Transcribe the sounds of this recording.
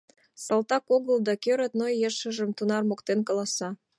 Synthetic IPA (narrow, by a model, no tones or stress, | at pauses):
sɑlt̪ɑkoɣəld̪ɑkøɾə̆t̪nojːeʃə̆ʒə̆mt̪unɑrmokt̪enkɑlɑsɑ